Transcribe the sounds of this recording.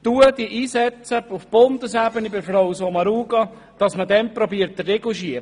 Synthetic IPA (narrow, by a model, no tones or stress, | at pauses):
tuəd̥iəʔiːsɛt͡səufb̥ʊndəsæbənibɪɾfɾɔwsɔmɑɾuːɡɑ | d̥ɑsmədɛnpɾɔbiəɾt̚ːərːɛɡuʃiəɾ